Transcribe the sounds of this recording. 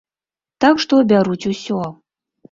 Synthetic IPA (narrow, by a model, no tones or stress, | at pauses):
t̪akʂt̪ɔbʲaɾut͡sʲusʲɔ